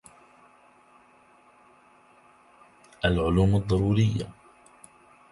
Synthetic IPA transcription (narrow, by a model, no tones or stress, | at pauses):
ʔalʕʊluːmɑd̪ˤːɑɾuːɾɪjːa̰